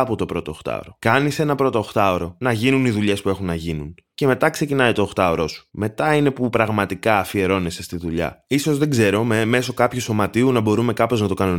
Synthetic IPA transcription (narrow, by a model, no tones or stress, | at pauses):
ɐpot̪o̞pɾo̞t̪o̞oxt̪ɐ̰o̰ɾo̞̰kɐnise̞nɐpɾo̞t̪oːxt̪ɐo̞ɾo̞nɐʝinuniðuʎe̞spue̞xunːɐʝinun | ce̞me̞t̪ɐkse̞cinɐit̪o̞oxt̪ɐo̞ɾo̞su̥me̞t̪ɐine̞pupɾɐɣmɐt̪ikɐːfie̞ɾo̞ne̞se̞st̪iðuʎɐ̰iso̞zðe̞ɡze̞ɾo̞meme̞so̞kɐpçuso̞mɐt̪iunɐbo̞ɾume̞kɐpo̞znɐt̪o̞kɐnun